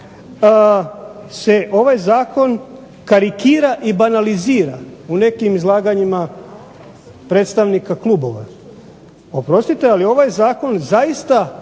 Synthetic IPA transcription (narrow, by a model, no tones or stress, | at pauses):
se̞ʔo̞ʋajzaːko̞n | kaɾikiːɾaʔibanaliziːɾa̰une̞kimizlˠaːɡaɲima | pɾet̪st̪aʋnikakluːbo̞ʋa̰ | opɾo̞st̪it̪ealio̞ʋajzaːko̞nzaist̪a